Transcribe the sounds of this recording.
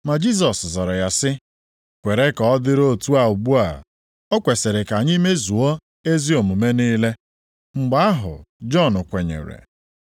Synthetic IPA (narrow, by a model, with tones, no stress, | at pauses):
ma˨d͡ʒi˦˨s̬ɔ˨szɔ˨ɾɔ˨ja˨sɪ˦ | kʷe˨ɾe˦kɔ˨ɔ˦dɪ˦ɾo˦˨tu˦a˨ʊ˨ɡ͡bu˦a̰˨ | ɔ˦kʷe˨se˨ɾe˨ka˨ɲi˦me˦zu˨o˦ | e˦zi˦o˨mu˨me˦niː˦le˦ | ŋ͡m̩˨ɡ͡ba˦a˦ɦʊ̰˨d͡ʒɔ˦˨nʊ˨kʷe˨ɲḛ˨ɾḛ˨